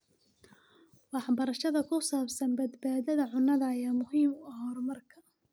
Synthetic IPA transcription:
wɑħbɐɾˤɐʃɐðɐkʊsaːbsɐnbɐd̪baːðɐðɐʕʊnːɐðɐjaːmʊhiːmɐɦɔːɾmɐrkʰɐ̥

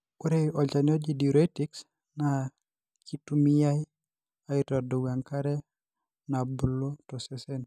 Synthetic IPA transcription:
koɾeʔɔd͡ʒanɔd͡ʒidiɾɔtiks | na | kitumijaj | aitadoɡaŋkaɾɛ | nabulotɔsɛsɛn

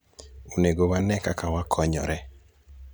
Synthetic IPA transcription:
oneɡowanɛkakawakʰɔɲɔ̰ɾɛ

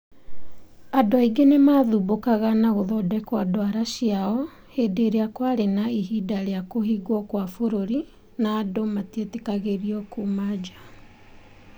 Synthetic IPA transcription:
adɔiɡenemaːðubokaɣanaɣoðɔdɛkwadoaɾaɕiaɔ | hedeɾeakwaɾenaiɦidaɾeakohiɣwɔkwafoɾoɾi | naːdomatietekaɣeɾiɔkumad͡ʒa

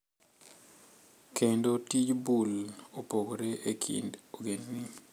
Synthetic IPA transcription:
kʰendotid͡ʒbulopoɡoɾeʔekʰḭndoɡenni

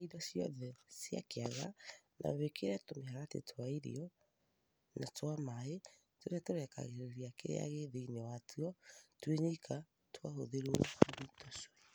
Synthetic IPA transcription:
idasiɔ̰ðɛsia̰keaɣa̰nʔa̰βekeɾatomehaɾatḛtʰoaiɾḭɔ | natwamae | toɾeatoɾɛka̰ɣeɾeɾiakḛɾḛa̰ɣeðeinɛwatʰuɔtweɲeika | twahoðeɾwɾitɔswɛ

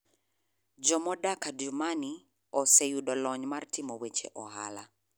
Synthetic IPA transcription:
d͡ʒɔmɔdakadumani | ɔsejudɔlɔɲmartɪmɔwet͡ʃḛʔɔha̰la̰

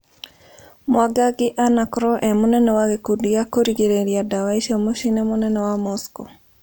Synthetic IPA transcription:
mwaɡaɡɪʔanakɾɔʔɛmɔnɛnɔwaɡekudiakoɾiɡeɾeɾiadawaiʃamoʃinɛmɔnɛnɔwamɔsko

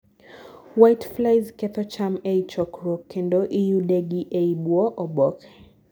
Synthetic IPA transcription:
wajtflajzkɛt̪ɔt͡ʃamɛit͡ʃɔkɾɔkʰɛndɔʔijuɗɛɡiʔɛiɓwɔʔɔɓɔk

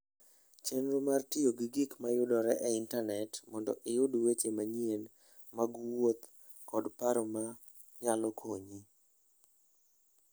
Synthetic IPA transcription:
t͡ʃenɾomartioɡiɡikmajʊdɔɾɛʔɛɪntanɛtmɔndɔ̰ʔɪjʊdwet͡ʃemaɲien | maɡwot̪ | kɔdpaɾɔma | ɲalɔkʰoɲi

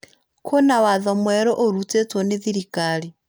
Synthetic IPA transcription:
kʰonawaðomwɛɾɔʔoɾut͡set͡swoneðiɾikali

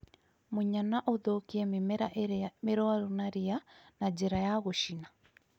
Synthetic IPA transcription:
moɲanaʔoðokiɛmmɾameɾɔaɾonaɾianad͡ʒeɾajaɣoʃina

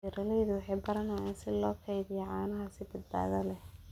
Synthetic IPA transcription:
iɾɐlɛjðʊwɑħɑjbɐɾɐnɐjaːnsɪlɔːkʰɑjðɪjɛʕɑːnɐɦɐsɪbɐd̪̚ba̰ːɣɐlɛh

